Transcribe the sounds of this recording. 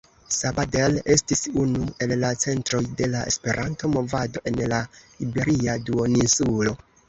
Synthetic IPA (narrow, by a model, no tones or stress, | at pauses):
sabadele̞stisunue̞lːat͡se̞ntɾo̞jde̞laḛspe̞ɾʔanto̞mo̞vado̞ʔe̞nlahibe̞ɾiaduoninsulo̞